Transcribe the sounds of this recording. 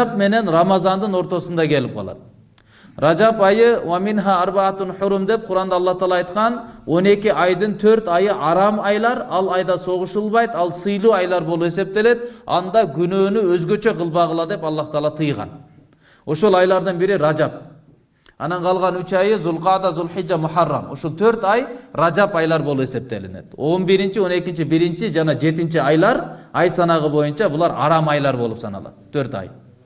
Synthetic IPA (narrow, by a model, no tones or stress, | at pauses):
pme̞ne̞nrɑmɑzɑnd̪ɯno̞ɾt̪o̞sund̪ɑkʲʰe̞lɪp̚qʰɑ̰lˠɑ̰t̪̚ | rɑd͡ʒɑpɑjɯwɑminɦɑːɾbɑt̪unħʊɾumd̪e̞p̚qʰʊɾɑnd̪ɑlˠːɑht̪ɑːlˠɑːjt̪qɑno̞ne̞kʲiʔɑjd̪ɯnt̪ʰøɾt̪ɑjɯʔɑɾɑmɑjlˠɑɾɑlˠɑjd̪ɑso̞ʁʊʃɯlˠβɑjt̪ɑlˠsɯjlˠuːɑjlˠɑɾbo̞lˠue̞se̞p̚t̪e̞le̞t̪ɑ̰nd̪ɑɡynøːnyøzɡø̞t͡ʃø̞qʰɯlˠbɑʁɯlˠɑd̪e̞pɑlˠːɑht̪ɑlˠɑt̪ʰɯjʁɑ̰n | o̞ʃolˠɑjlˠɑɾd̪ɯnbiɾiɾɑd͡ʒɑp̚ | ɑ̰nɑɴqʰɑlˠʁɑnyt͡ʃɑjɯzʊlˠqɑd̪ɑzʊlħid͡ʒːamʊħɑrːɑ̰mo̰ʃolˠt̪ʰøɾt̪ɑjrɑd͡ʒɑpɑjlˠɑɾbo̞lˠupe̞se̞p̚t̪e̞̰lḭne̞̰t̪o̞nbiɾint͡ʃio̞ne̞kʲint͡ʃibiɾint͡ʃid͡ʒɑnɑd͡ʒe̞t̪int͡ʃiɑjlˠɑɾɑjsɑnɑʁɯbo̞junt͡ʃɑbulˠɑɾɑ̰ɾɑmɑjlˠɑɾbo̞lˠupsɑnɑ̰lˠɑ̰t̪ʰːøɾt̪ɑ̰j